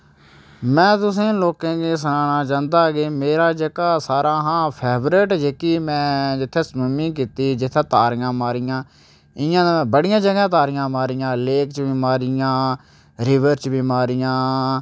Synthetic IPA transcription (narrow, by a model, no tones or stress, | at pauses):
mɛ̃ːt̪ʊsẽːloːkẽːɡeːsənaːnaːt͡ʃãːnd̪aːɡeːmeːɾaːd͡ʒəkaːsaːɾãːɦãːpʰɛːbɾɪʈd͡ʒeːkiːmɛ̃ːd͡ʒɪt̪ʰːeːsməmĩːk̬iːt̪iːd͡ʒɪt̪ʰːẽːt̪aːɾɪjãːmaːɾijãː | ɪjãːbəɽɪjãːd͡ʒəɡãːt̪aːɾɪjãːmaːɾijãːleːkt͡ʃbiːmaːɾɪjãː | ɾɪʋəɾt͡ʃbiːmaːɾijãː